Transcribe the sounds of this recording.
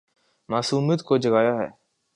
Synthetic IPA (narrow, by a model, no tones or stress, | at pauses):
maːsuːmət̪kod͡ʒəɡaːjaɦɛ̰ː